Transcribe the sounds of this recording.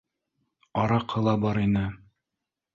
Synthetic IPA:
ɒɾɑqʰɤ̆lˠɑbɒɾinɘ

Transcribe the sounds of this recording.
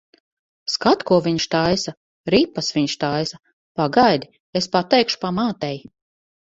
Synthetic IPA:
skat̪kuɔvʲiɲʃt̪ajsa | ɾipːasviɲʃt̪ajsa | paɡajd̪i | espat̪ɛjkʃu̥pamaːt̪ɛj

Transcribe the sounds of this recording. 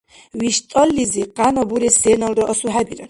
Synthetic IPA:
wiʃt̪ʼɔlːiziqʼanɔbuɾɛsɛnɔlˠɾɔʔɔsuħabiɾɛ

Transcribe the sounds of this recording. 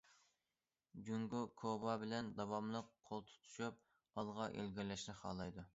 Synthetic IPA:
ɡʲyŋɡukʰobɑbɪlɛnd̪ɑwɑmlˠəqʰːolˠt̪ʰu̥t̪ʰu̥ʃup̚ | ɑlˠʁɑʔḛlɡʲiɾlɛʃnɪχɑ̰ːlˠɑjd̪u

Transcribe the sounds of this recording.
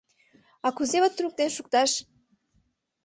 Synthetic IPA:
ɑkuzeβət̪t̪ːɾuk̚t̪enʃuk̚t̪ɑʃ

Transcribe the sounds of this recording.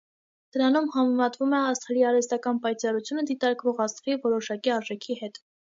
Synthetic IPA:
d̪̥əɾɑnumhɑmɛmɑt̪vumɛɑst̪ʰɛɾiɑɾɛst̪ɑkɑnpɑjt͡sɑɾut͡sʰjunəd̪it̪ɑɾkvɔʁɑst̪ʰvivɔɾɔʃɑkiɑɾʒɛkʰihɛt̪

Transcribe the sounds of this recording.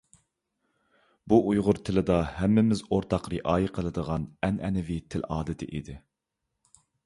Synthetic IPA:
buʔujʁʊɾt̪ʰɪlɪd̪ɑhɛmːɪmɪzoɾt̪ʰɑqɾɨʔɑːjiqʰəlˠɨd̪əʁɑnɛnɛnɪvit̪ʰɪlɑːd̪ɪt̪ʰɪ̰ʔḭd̪ɪ

